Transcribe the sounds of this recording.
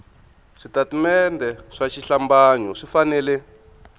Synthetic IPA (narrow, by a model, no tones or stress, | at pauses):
ʂitatimɛndʱɛʂaʃiɬambaːɲɔʂifanɛːlɛ